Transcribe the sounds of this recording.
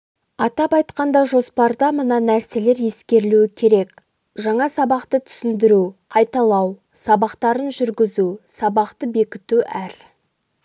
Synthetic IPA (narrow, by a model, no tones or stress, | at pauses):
ɑt̪ɑpɑjt̪qɑnd̪ɑʒo̞spɑɾd̪ɑmənɑnæɾse̞le̞ɾje̞skʲe̞ɾluɪkʲʰe̞ɾe̞k | ʒɑɴɑsɑbɑqt̪ət̪ʰʏ̥sɪnd̪ɪɾuqʰɑjt̪ɑlˠɑw | sɑbɑqt̪ɑɾənʒʏɾɡʲɪzusɑbɑqt̪əbe̞kʲɪt̪uʔæɾ